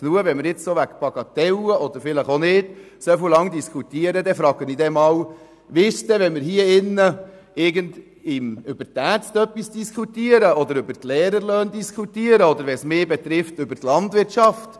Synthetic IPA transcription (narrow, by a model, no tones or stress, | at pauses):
knuəʋɛnmɪɾjɪt͡ssoʋækpɑɡɑt̪ɛləʔɔd̪əɾfɪləχonɪːd̥ | sɛfulɑŋd̪iskʰut̪iəɾəd̪ɛfɾɑːɡ̥ənid̪ɛmɑːw | ʋɪʃt̪ɛʋɛnmɪɾhiəɪnːə | ɪɾɡənd̪ | ɪmʏbəɾt̪æt͡stœpːisd̥iskʰut̪iəɾəɔd̪əɾʏbəɾt̪lɛːɾəɾløːnd̪iskʰut̪iəɾəɔd̪əɾʋɛsmeːbɛt̪ɾɪft̪ʏbəɾt̪lɑndvʋɪɾtʃɑft